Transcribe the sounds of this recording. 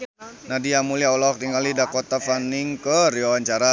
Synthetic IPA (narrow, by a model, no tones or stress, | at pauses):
nadijamuliaulawɔk̚t̪iŋalidakot̪afaniŋkəriwawaɲt͡ʃaɾa